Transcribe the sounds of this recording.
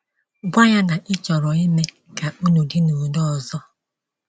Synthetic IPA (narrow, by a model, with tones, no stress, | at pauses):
ɡʷa˦ɲa˦na˨ʔɪ˦t͡ʃɔ˨ɾɔ˨i˦me˦ | ka˨u˦nu˨dɪ˦nu˨dɔ˦ɔ˨zɔ˦